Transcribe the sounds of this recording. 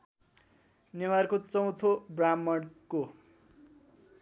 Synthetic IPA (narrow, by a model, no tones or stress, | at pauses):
newarkot͡sʌw̃t̪ʰobramːʌɽko